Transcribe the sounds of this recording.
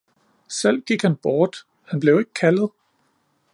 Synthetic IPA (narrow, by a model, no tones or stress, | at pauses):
sel̰ɡ̥iɡ̥hænb̥ɒːd̥ | hænb̥le̝ʊe̝ɡ̥əkʰælð̩ˠ